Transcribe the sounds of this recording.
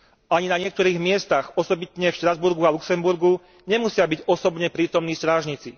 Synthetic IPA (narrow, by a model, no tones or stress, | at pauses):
ʔaɲinaɲɪɛk̚t̪ɔɾiːɣmɪɛst̪aɣɔsɔbit̪ɲɛfʃt̪ɾazbuɾɡualuksɛmbuɾɡu | ɲɛmusɪabiɟɔsɔbɲɛpɾiːt̪ɔmniːst̪ɾaːʒɲit͡si